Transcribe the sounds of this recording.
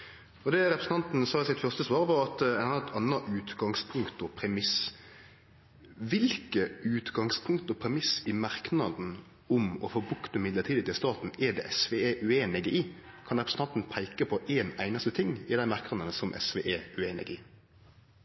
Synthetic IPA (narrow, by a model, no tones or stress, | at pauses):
ɔd̪ɛɾɛpɾsn̩t̪ɑnt̪n̩sɑːsɪt̪fœʁst̪əsʋɑːɾʋɑːɾɑt̪ɛnɑɛt̪ʰɑnːɑʔʉːt̪ɡɑŋspʰʊŋkt̪ɔpʰɾɛmɪs | ʋɪlkəʉːt̪ɡɑŋspʰʊŋk̚t̪ɔpʰɾɛmɪsɪmɑɾknɑd̪n̩ | ʊmɔfoːbʉkt̪əmɪd̪lət̪ʰiːd̪ɪt̪ʰɪlst̪ɑːt̪n̩ɛd̪ɛ̰ʔɛsʋɛeːʔʉeːnɛɡɛʔiːkʰɑnʁɛpɾəsn̩ʰɑnt̪n̩pʰæɪkəpʰɔʔeːnæ̰ɪnɑst̪ət̪ʰɪŋːɪd̪æɪmɑɾknɑnd̪ənəsɔmʔɛ̰sʋɛ̰ʔeːʉeːnɛ̰ɡiː